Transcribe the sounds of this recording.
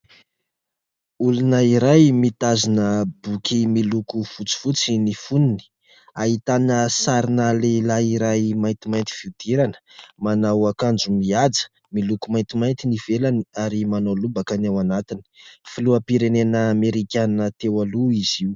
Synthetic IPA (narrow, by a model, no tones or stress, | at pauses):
ulunəiɾajmit̪azinəbukimilukufut͡si̥fut͡sinifunini̥ | aɦit̪anəsaɾinalelaiɾajmajnt̪imajnt̪i̥v̥iwd̪̥iɾanə̥manawakand͡ʒumiad͡zə̥ | milukumajnt̪imajnt̪iniv̥elaniaɾimanolubakanawanat̪ini̥filuapiɾenenəːmeɾikʲannət̪ewaluiz̥iw